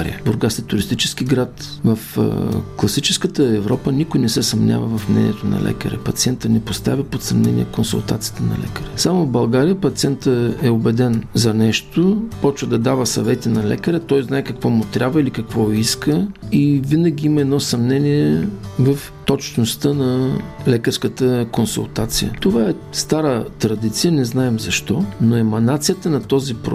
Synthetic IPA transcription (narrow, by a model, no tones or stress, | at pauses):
ɾḭəbʊɾɡasɛt̪ʊɾist̪it͡ʃɛ̥sk̟iɡɾat̪ | vəfklˠɐsit͡ʃɛ̥skət̪əɛvɾɔpənikojnɛsɛsɐmnʲʔa̰və̰vɐfmnɛ̰nḭɛt̪onɐ̰lɛ̰kə̰ɾɛ̰pɐt̪siɛnt̪ənɛpost̪a̰vʲəpot̪sɐmnɛ̰nʲḭɛ̰konsṵlˠt̪a̰t̪sijət̪ənɐ̰lɛ̰kəɾɛsamʊvbɐlˠɡaɾijəpɐt̪siɛnt̪əɛobɛd̪ɛnzɐnɛʃt̪opɔt͡ʃvəd̪ɐd̪avəsɐ̰vɛt̪inɐlɛ̰kəɾət̪ɔjznaɛkɐkvɔmʊt̪ɾʲʔabvəilikɐkvɔiskəivinɐɡ̟iiməɛd̪nɔsɐmnɛniɛvɐf | t̪ɔt͡ʃnost̪ənɐlɛkəɾskət̪əkonsṵlˠt̪at̪sḭjə̰t̪ovaɛ | st̪aɾət̪ɾɐd̪it̪sijənɛznaɛmzɐʃt̪ɔnoɛmɐnat̪sijət̪ənɐt̪ɔzipɾo̰